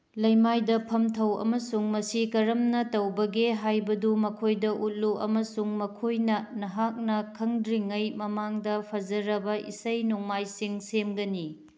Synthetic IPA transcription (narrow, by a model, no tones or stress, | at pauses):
lɐjmajdɐpʰɐmtʰɐwɐ̰mɐsuŋmɐsikɐɾɐmnɐtɐwbɐɡeɦajbɐdumɐkʰojdɐʔut̚luʔɐ̰mɐsuŋmɐkʰojnɐnɐɦak̚nɐkʰɐŋdɾiŋɐjmɐmaŋdɐpʰɐd͡ʒɐɾɐbɐʔḭsɐjnuŋmajsiŋsemɡɐni